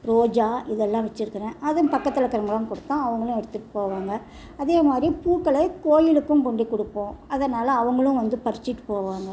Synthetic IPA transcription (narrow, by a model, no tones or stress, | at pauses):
ɾoːd͡ʒaːʔɪðɛlːãːʋɐt͡ʃːɪɾɯkːɪɾẽːʔɐðɯmpɐkːɐt̪ːɪlɐkːɐɾɐŋɡɐɭɐmkɔɽɯt̪ːãːɐʋɐŋɡɐɭʊ̃ɛɽɯt̪ːɯʈːɯpoːʋaːŋɡɐ | ɐðeːmaːd̪ɾipuːkːɐɭɐkoːjɪlɯkːɯmkɔɳɖikːɔɽɯpːõːɐðɐnaːlɐːʋɐŋɡɐɭʊ̃ʋɐnd̪ɯpɐɾɯt͡ʃːɪʈːɯ̥poːʋaːŋɡɐ